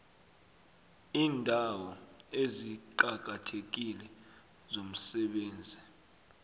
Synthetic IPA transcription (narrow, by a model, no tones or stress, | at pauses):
iːndʱawɔeziǃak̬atʰek̬ilɛ | zom̩sɛɓeːnd͡zʱi